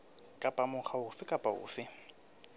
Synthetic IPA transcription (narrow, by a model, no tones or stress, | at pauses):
kʼapʼamʊχʰaʊsɪkʼapʼaʊ̰sɪ